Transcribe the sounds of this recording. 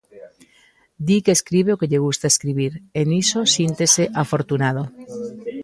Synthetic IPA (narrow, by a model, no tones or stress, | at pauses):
d̪ikeːskɾiβ̞eokeʎeɣ̞ust̪aeskɾiβ̞iɾenisosjint̪eseʔafoɾt̪unað̞o